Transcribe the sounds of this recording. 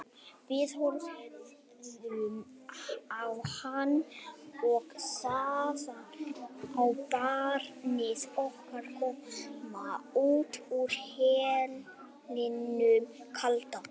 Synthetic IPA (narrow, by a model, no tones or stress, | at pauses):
vɪðhɔɾ | m | awhanɔɣsasa | awpaːɾnɪsɔhkaɾkɔmauːt̪uɾ̥hɛːl | nɪnʏkʰalt̪a